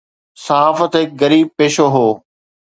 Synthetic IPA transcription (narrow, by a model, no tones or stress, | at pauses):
sɐɦaːfət̪ɦɪk̚ɡɐɾiːb̚peːʃoɦoː